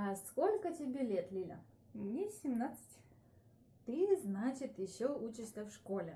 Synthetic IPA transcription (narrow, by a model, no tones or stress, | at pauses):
ɐskolʲkətʲɪbʲelʲet̪lʲilʲə̰ | nʲɪsʲɪmnat̪sɨ̥tʲ | t̪ɨznat͡ɕɪt̪jɪɕːout͡ɕɪʂsʲəfʂkolʲɪ